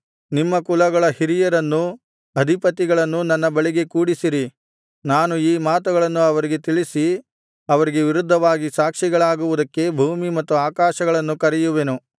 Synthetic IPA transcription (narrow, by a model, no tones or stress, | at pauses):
nimːɐkulɐɡɐɭɐhiɾijɐɾɐnːu | ɐd̪ʱipɐt̪iɡɐɭɐnːunɐnːɐbɐɭiɡe̞kuːɽisiɾi | naːnuiːmaːt̪uɡɐɭɐnːuɐʋɐɾiɡe̞t̪iɭisi | ɐʋɐɾiɡe̞ʋiɾud̪ʱːɐʋaːɡisaːkʂiɡɐɭaːɡuʋud̪ɐkːe̞bʱuːmimɐt̪ːuaːkaːʃɐɡɐɭɐnːukɐɾɛjuʋe̞nu